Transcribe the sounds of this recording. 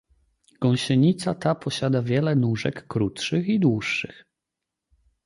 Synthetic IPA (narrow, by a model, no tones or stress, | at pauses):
ɡ̥ɔ̃w̃ɕɛɲit̪sat̪apɔɕad̪avʲjɛlɛnuʐɛ̰kːɾut̪ʂɘxid̪wuʂːɘ̰x